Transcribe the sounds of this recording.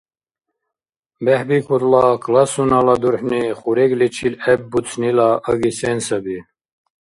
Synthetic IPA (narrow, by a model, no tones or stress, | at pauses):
bɛħbikʰuɾlɑkʰlɑsunɑlɑd̪uɾħniχuɾɛɡlit͡ʃʰilɛb̚ːut͡sʰnilaʔəɡisɛnsəbi